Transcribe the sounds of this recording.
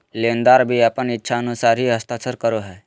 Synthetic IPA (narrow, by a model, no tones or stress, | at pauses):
lẽːnd̪aːɾbʱiəpənɪtːʃʰaənʊsaːɾɦiɦəst̪aːt͡ʃəɾkəɾoɦɛː